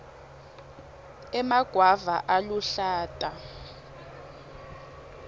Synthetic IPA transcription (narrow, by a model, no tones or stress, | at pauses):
ɛmaɡ̥ʱwavaʔaluɬaːtʼa